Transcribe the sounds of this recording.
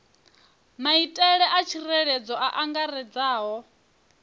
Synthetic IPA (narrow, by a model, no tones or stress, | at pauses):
maitʼɛɺɛʔat͡ʃʰirɛɺɛd͡zɔʔaʔaŋɡaɾɛd͡zaːɦɔ